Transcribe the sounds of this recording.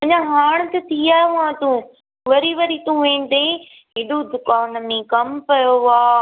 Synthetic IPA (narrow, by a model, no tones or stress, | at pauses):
ɐ̃ɲãɦaːɽ̃t̪et̪ʰiaːɦeʊãt̪ũ | ʋɐɾiʋɐɾit̪ũʋẽnd̪ẽ | ɦɪɗod̪ʊkaːnmẽkɐmpɐjoaː